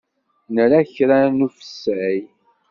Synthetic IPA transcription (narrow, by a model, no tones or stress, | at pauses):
nəɾaçɾanufə̥sːæj